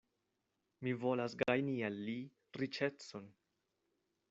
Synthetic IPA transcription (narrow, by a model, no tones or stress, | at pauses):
mivo̞lasɡajnialːi | ɾit͡ʃe̞t͡son